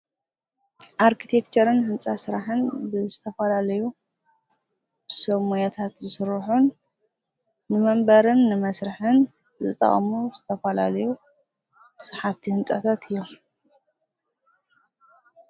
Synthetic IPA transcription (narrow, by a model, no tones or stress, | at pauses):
ʔaɾkʰit̪ʰekt͡ʃʰɐɾɨnhɨnt͡sʼasɨɾaħɨnbɨzɨt̪ʰɐfɐlalɐju | bɨsɐmujat̪ʰat̪zɨsɨɾħun | ɨmɐmbɐɾɨnːɨmɐsɾɨħɨn | bzɨt̪ʼɐ̰χʼɐmuzɨt̪ʰɐfɐla̰lɐju | sɐħaβt̪ʰihɨnt͡sʼɐt̪ʰat̪ʰɨjːo̞